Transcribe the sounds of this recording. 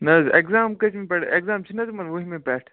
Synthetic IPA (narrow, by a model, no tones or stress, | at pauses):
nɐzekzaːmkɐt͡ʃʰmẽpʲeʈekzaːmt͡ʃʰinɐzmɐnʋoɦimẽpeːʈʰ